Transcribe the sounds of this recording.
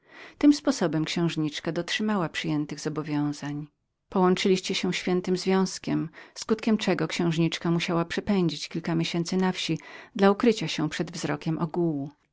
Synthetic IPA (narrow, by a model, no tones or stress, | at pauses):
t̪ɘmspɔsɔbɛmkɕɛ̃w̃ʐɲit͡ʂkad̪ɔtʂɘmawapʂɘjɛnt̪ɘɣz̥ɔbɔvʲjɔ̃w̃zaɲ | pɔwɔnt͡ʂɘlʲiɕt͡ɕɛɕɛ̃ɕfʲjɛnt̪ɘmzvʲjɔ̃w̃skʲɛmskut̪kʲɛmt͡ʂɛɡɔkɕɛ̃w̃ʐɲit͡ʂkamuɕawapʂɛpɛɲd͡ʑit͡ɕkʲilkamʲjeɕɛnt̪sɘnafɕid̪laukɾɘt͡ɕaɕɛpʂɛd̪vzɾɔkʲɛmʔɔɡuwu